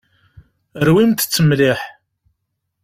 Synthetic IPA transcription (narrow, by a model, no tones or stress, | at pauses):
əɾwimt̪t͡sːəmliħ